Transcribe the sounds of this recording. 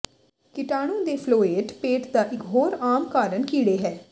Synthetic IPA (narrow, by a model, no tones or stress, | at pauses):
kɪʈaːɽ̃õːd̪eːpʰloːeːʈpeːʈd̪aːʔɪkɦoːɾaːmkaːɾənkiːɽeːɦɛː